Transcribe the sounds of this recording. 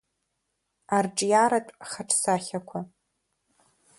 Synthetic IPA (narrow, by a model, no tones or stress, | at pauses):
arʈ͡ʂʼjaɾatʷʼχaʈ͡ʂʰsaχʲakʷʰa